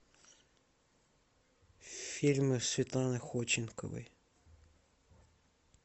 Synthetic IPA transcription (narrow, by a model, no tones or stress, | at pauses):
fʲirʲmɪsʲʋʲit̪lˠɑnɪxɔt͡ʃɪnkɔ̰ʋɪ̰j